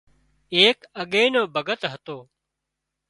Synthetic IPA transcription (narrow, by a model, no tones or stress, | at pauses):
eːkəɠeːnoːbʱəɡət̪ɦət̪oː